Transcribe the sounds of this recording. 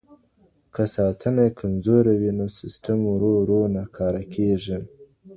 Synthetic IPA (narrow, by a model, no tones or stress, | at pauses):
kasɑt̪ʰənakʰamzoɾawinosɪsʈamuɾoɾonakʰɑːɾakʰeʐi